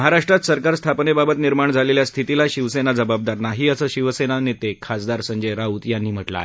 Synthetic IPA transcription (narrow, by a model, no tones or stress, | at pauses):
əɦaɾaʂʈɾat̪səɾkaɾst̪ʰapnebabət̪niɾmaɳd͡zʱaleljast̪ʰit̪ilaɕiʋsenad͡zəbab̚d̪aɾnaɦiːəsəɕiʋsenanet̪ekʰat͡sd̪aɾsəɲd͡ʑəjɾaut̪janːiːm̤əʈla̰